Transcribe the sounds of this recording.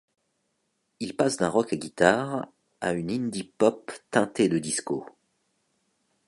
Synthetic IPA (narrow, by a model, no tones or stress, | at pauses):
ilpasd̪ɛ̃ʁɔkaɡʲit̪aʁ | aynind̪ipɔpt̪ɛ̃t̪ed̪əd̪isko